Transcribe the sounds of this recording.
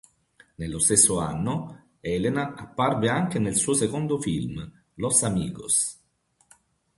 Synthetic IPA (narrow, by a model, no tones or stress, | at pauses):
nelːost̪esːoa̰nːo | ɛlenaapːarveaŋk̟enelsuːosekond̪ofilm | losamiːɡo̰s